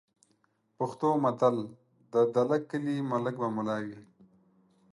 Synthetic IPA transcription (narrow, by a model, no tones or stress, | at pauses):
pʊxt̪oːmat̪al | d̪əd̪alakːəlimaləkbamʊlaːwi